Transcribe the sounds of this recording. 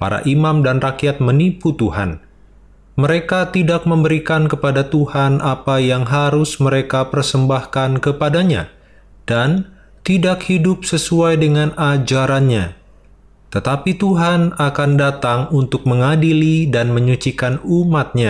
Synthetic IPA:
pa̰ɾa̰ʔimamdanrakiat̪̚məniput̪uha̰n | məɾekat̪idak̚məmbəɾikankəpadat̪uhanʔapajaŋɦaɾʊsməɾekapərsəmbahkankəpadaɲa̰ | d̥an | t̪idakhidʊp̚səsuajdəŋanad͡ʒaɾanɲa | t̪ət̪apit̪uɦanakandat̪aŋunt̪ʊk̚məŋadilidanməɲut͡ʃikanumat̪̚ɲa

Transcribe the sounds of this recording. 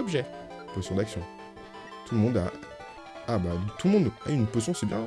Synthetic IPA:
ɔbʒɛ | pɔsjɔ̃d̪aksjɔ̃ | t̪ulmɔ̃d̪aː | bat̪ulmɔ̃d̪aynpɔs̬jɔ̃sɛbjɛ̃

